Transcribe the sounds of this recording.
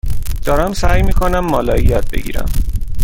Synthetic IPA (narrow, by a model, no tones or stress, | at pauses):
d̪̥ɒːɾæmsæjmiːkʰonæmːɒːlɒːjijɒːd̪̚be̞̰ɡḭːɾæ̰m